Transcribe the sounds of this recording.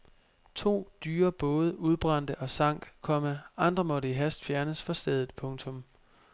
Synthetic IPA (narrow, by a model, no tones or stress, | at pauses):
t͡sʰo̝̰ːd̥yːɐb̥ɔ̽ːð̞ˠəʔuð̞ˠb̥ʁɑ̈n̰d̥əʔɒ̽sɑ̈ŋ̰ɡ̥kʰɒ̽məʔɑ̈nd̥ʁɐmɒ̽ɾəiɦæsd̥fjæɐnəsfɑ̈sd̥eð̞ˠð̩ˠpʰɔ̽ŋt͡sʰɔ̽m